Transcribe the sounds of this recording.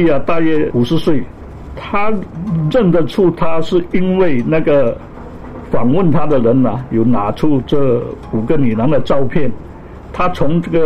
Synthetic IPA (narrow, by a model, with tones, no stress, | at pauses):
i˥˩a˧t̪a˥˧jɛ˥˩u˨˩ʂɻ̩˧˥swe˥˩ɪ | t̪ʰa˥ɻə˥˩nd̪ə˨ʈ͡ʂʰu˥˩t̪ʰa˥ʂɻ̩˥˩i˥nwe˥˩ɪna˥˩ɡə˩ | fa˨˩ŋwə˥˩nt̪ʰa˥d̪ə˨ɻə˧˥nɐ˨˩jo˨˩ʊna̰˨˥˦ʈ͡ʂʰu˥˧ʈ͡ʂɤ˥˩ | u˨˩ɡə˧˦ni˨˩na˧˥ŋd̪ə˧ʈ͡ʂɑ˥˧ʊpʰjɛ˥˩n | t̪ʰa˥t͡sʰʊ˧˥ŋʈ͡ʂɤ˥˩ɡə˨˩